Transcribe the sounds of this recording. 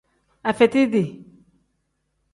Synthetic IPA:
a˨fɛ˨t̪i˦d̪i˨

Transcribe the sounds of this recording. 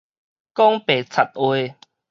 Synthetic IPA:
kɔ˦ŋpe˨˩t͡sʰa˨˩t̪̚we˧˦

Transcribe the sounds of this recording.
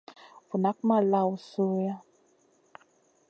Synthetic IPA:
vu˨na˦k̚ma˨la˦˨wu˨su˦ja˦

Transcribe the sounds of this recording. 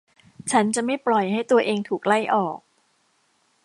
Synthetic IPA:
t͡ɕʰa˦˥nt͡ɕa˨˩ma˥˩jplɔ˨˩jɦa˥˩jt̪u˧ɐʔeː˧ŋt̪ʰuː˨˩k̚la˥˩jʔɔː˨˩k̚

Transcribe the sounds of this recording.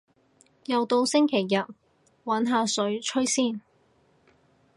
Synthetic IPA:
jɐ˨wt̪o˧wsɪ˥ŋkʰe˨˩jːɐ˨t̚ | wɐ˨˥nɦaː˨˧sɵ˨˥ɥt͡ʃʰɵ˥ɥsiː˥˩n

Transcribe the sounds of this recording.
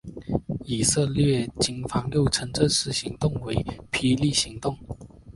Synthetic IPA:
i˨˩sɤ˥˧lɥɛ˥˩t͡ɕi˨˩ŋfɑ˧˥ŋljo˥˩ʊʈ͡ʂʰə˧˥ŋʈ͡ʂə˥˧nʂɻ̩˥˩ɕi˧˥ŋt̪ʊ˥˩ŋwe˧˥ɪpʰi˧˥li˥˩ɕi˧˥ŋt̪ʊ˥˩ŋ

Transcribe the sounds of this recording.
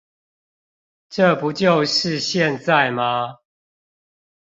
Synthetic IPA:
ʈ͡ʂə˥˨pu˨˦t͡ɕjo˥˨ʊʂɻ̩˥˨ɕjɛ˥˨nt͡sa˥˨ɪma˦

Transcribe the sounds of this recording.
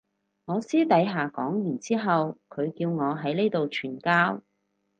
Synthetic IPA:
ŋɔː˨˧siː˥t̪ɐ˨˧˥jɦaː˨kɔː˨˥ŋjyː˨˩nt͡siː˥ɦɐ˨wkʰɵ˨˧ɥkiː˧wŋɔː˨˧ɦɐ˨˥jne˥jt̪o˨wt͡ʃʰyː˨˩nkaː˥w

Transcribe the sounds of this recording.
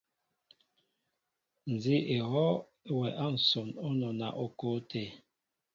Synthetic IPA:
n̩˨zi˦ʔe˨hɔ˦ | wɛ˨ʔa˦n̩˨so˨no˦nɔ˨na̰˨ʔo˨ko˦te˨

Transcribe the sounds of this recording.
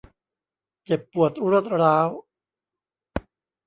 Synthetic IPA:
t͡ɕe˨˩pːu˨˩ət̪̚ɾo˥˩t̪̚ɾaː˦˥w

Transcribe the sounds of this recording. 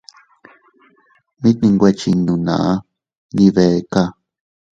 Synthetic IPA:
mĩ˦t̪nĩ˧ŋɡʷe˧t͡ʃi˧nũ˧nã̰˨ʔa˦ | nĩ˧βe˨˧ka˦

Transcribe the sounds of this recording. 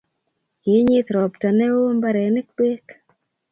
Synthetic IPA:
kɪ˨˦ɲɪ˦t̪ɾɔ˨pta˨nɛ˦wo˦mba˦ɾɛ˨nɪ˦k̚be˦k

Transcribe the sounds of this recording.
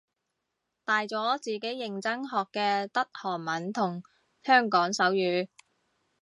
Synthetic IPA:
t̪aː˨jt͡sɔː˨˥t͡siː˨˩ke˨˥jːɪ˨ŋt͡sɐ˥ŋɦɔː˨kːɛː˧t̪ɐ˥t̚hɔː˨˩ŋmɐ˨˥nt̪ʰʊ˨˩ŋ | hœː˥ŋkɔː˨˥ŋsɐ˨˥wjyː˨˥

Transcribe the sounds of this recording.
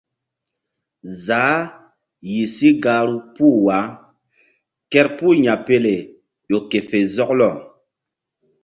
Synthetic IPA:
zaː˨˦ | ji˨si˦ɡa˨˦ɾu˦puː˦wa˨˦ | kɛ˦ɾpu˦ɲa˨pe˦le˨ | jo˨ke˨fe˨zɔ˦klɔ˨

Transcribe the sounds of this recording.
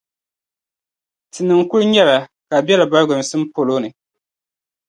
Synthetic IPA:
tɨ˨nɨ˨ŋ˨kʊ˦ɾɲɛ˦la˨ka˨bɛ˦la˨ba˦ɾɡʊ˨m̩˨sɨ˦m̩˦po˨lo˦nɨ˨

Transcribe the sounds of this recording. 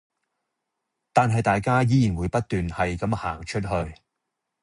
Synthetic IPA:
t̪aː˨nɦɐ˨jt̪aː˨jkaː˥jiː˨˥ji˨˩nwuː˨˧jpɐ˥t̚t̪yː˨nhɐ˨jkɐ˨˥mhaː˨˩ŋt͡ʃʰɵ˥t̚ɦɵ˧ɥ

